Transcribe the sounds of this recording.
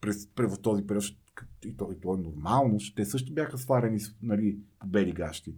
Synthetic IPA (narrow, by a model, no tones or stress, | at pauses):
pɾɛspɾɛvəft̪ɔzipɛɾʲjɔʃ | kit̪ɔit̪ɔɛnoɾmalˠnoʃt̪ɛsɤʃt̪ʊbʲjaxəsvlˠaɾɛnisnɐlipobɛɾiɡaʃt̪i